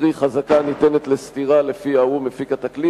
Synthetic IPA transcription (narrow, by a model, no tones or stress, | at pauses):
ʁiχazakanit̪enet̪le̞st̪iʁale̞fiaumefikat̪akli